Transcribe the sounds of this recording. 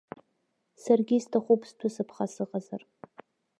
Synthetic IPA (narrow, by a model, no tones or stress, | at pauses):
sarɡʲɪstʰaχʷʊpʰstʰʊsɨpʰχasɨʁazar